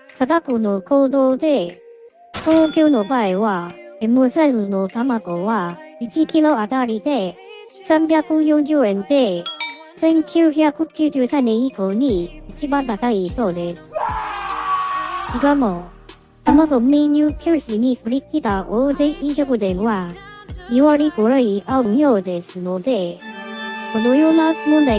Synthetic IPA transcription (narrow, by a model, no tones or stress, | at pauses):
sad̪akonokʰoːd̪od̪e̞ | t̪ʰoːkʲjonobaewaemosamɯnot̪amaɡowait͡ɕikʲiloat̪aɾʲid̪e̞ | sãmbjakɯjõnd͡ʑɨẽ̞nd̪e̞ | se̞ŋkʰʲjɯçjakhɯkʲʰɯd͡ʑɨsanːẽikoɲ̟iit͡ɕibant̪at̪aisod̪e̞s | t͡ɕikamo | tamaɡomiɲukʰjoɕiɲiɸɯɾʲikit̪aʔod̪eʔiɕoɡɯd̪eŋwa | iwaɾikoɾɯiʔaɯŋjod̪e̞sɯnod̪e̞ | konojonakmona